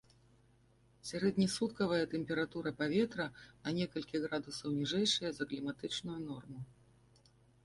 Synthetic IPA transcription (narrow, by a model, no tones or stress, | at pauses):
sʲaɾɛd̪ʲnʲisut̪̚kɐvɐjɐt̪ɛmʲpʲɛɾat̪uɾɐpavʲɛt̪ɾɐnɐnʲɛkɐlʲkʲiɣɾad̪usɐwnʲiʐɛjʂɨjɐzɐklʲimat̪ɨt͡ʂnʊjunɔrmʊ